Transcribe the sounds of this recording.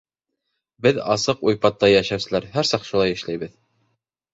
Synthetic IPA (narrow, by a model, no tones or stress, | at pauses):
bɘðɑ̰sɤqujpɑt̪ːɑjæʃæwsɘ̆læɾɦæɾsɑq̪ʃulˠɑjɘ̆ʃlæjβɘð